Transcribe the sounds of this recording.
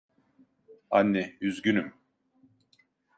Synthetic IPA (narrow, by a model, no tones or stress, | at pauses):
anːɛyzɡynym